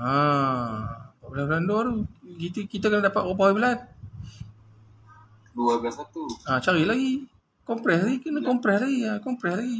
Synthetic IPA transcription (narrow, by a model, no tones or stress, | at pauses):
a | aʔbəlablandoaɾukit̪kit̪akənadapat̪̚opaɦwibəlan | duabasat̪uat͡ʃaɾilaɡi | kɔmpɾɛslaɡikənakɔmpɾɛslaɡiakɔmpɾɛslaɡi